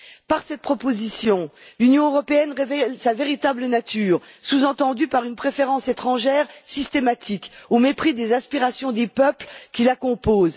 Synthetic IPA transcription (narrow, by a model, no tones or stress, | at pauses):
paʁsɛt̪̚pχɔpozisjɔ̃lynjɔ̃øʁɔpeɛnʁevɛlsaveʁit̪ablənat̪ʰyːʁsuzɑ̃t̪ɑ̃d̪ypaʁynpχefeʁɑ̃set̪χɑ̃ʒɛʁsist̪emat̪ʰikomepχid̪ezɛ̃spiʁasjɔ̃d̪epœplkʲilakɔ̃poːz